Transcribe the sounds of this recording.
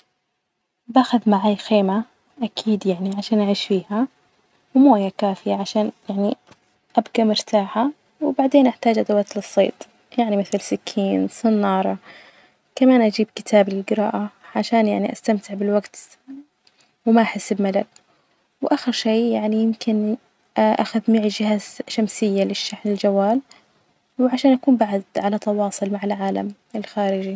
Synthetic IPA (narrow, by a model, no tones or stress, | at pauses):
baːxaðmaʕaːjxeːma | ʔakʰiːd̪jaʕniʕaʃaːnʔaʕiːʃfiːha | wmoːjakaːfɪjaʕaʃaːnjaʕni | ʔabɡamʊɾt̪aːħa | wbaʕd̪eːnʔaħt̪aːd͡ʒʔad̪awaːt̪lɨsˤːḛːt̪ˤ | jaʕnimɪθɪlsɪkʰːiːnsˤɨnːɑːɾˤɑ | kamaːnʔad͡ʒiːbkɪ̥t̪ʰaːblɪlɡɪɾɑ̰ːʔaʕaʃaːnjaʕniʔast̪amt̪ɪʕbɪlwaɡt̪ | wmaʔaħasːɪbmalab̚ | wʔaxɪɾʃeːjaʕnijɪmkɪn | ʔʔa̰xaðmiːʕd͡ʒɪhaːzʃamsɪjːalɪʃːaħnɪld͡ʒawːaːl | wɪʕaʃaːnʔakuːmbaʕad̪ʕalat̪ɑwɑːsˤʊlmaʕɪlʕaːla̰m | ɪlxaːɾɪd͡ʒi